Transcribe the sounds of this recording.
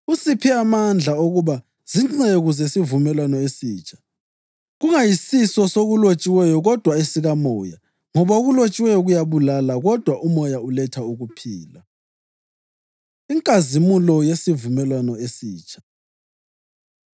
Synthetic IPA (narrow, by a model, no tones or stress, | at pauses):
usipʰiamand͡ɮʱaoɣuβa | z̥iŋ͡ǀeɣuzesivumɛlwanɔesiːt͡ʃʼḁ | ɣuŋajisisɔsoɣulot͡ʃʼiwɛjɔɣɔd̥ʱwaesiɣamɔ̰ːja | ŋɔβaoɣulot͡ʃʼiwɛjɔɣujaβulalaɣɔd̥ʱwaʔumɔjaulɛtʰauɣupʰiːla | iŋkʼazimulɔjesivumɛlwanɔesiːt͡ʃʼʰḁ